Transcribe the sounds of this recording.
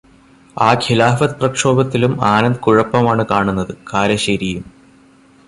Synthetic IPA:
aːkʰilaːfɐt̪prɐkʂo̞ːbɐt̪ːilumaːnɐnd̪ɨkuɻɐpːɐmaːɳɨkaːɳunːɐðɨkaːɾɐɕɐɾijum

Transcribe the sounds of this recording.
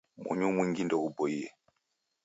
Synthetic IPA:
mɔ̰ɲumwiŋɡindɔɡubɔijɛ

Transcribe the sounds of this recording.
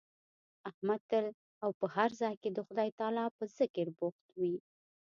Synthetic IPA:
ahmat̪əl | awpəhaɾzɑjked̪əxʊd̪ɑjt̪ɑlɑpəzɪkəɾbʊxt̪wi

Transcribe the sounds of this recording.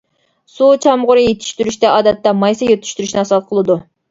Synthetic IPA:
sut͡ʃʰɑmʁʊɾɨjet̪ʰy̥ʃt̪yɾyʃt̪ɛɑːd̪ɛt̪ːɛmɑjsɑjøt̪ʰy̥ʃt̪yɾyʃnɪɑsɑt̪qʰəlˠɨd̪u

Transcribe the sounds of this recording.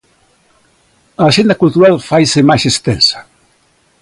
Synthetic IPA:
aːʃend̪ɐkult̪uɾalfajsemaʃest̪ɛnsḁ

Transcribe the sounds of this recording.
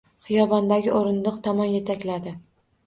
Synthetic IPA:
χɨjɒbɒnd̪aɡʲɪʔoɾɪnd̪ɨqt̪ʰɒmɒnjet̪ʰakʲlad̪ɪ

